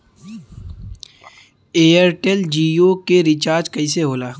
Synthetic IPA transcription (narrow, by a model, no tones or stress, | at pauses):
eːɐɾʈeld͡ʒijokeɾit͡ʃaːɾd͡ʒkɐɪseɦoːlaː